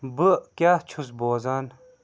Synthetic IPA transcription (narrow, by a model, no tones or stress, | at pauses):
bɨkjaːt͡ʃʰusboːzan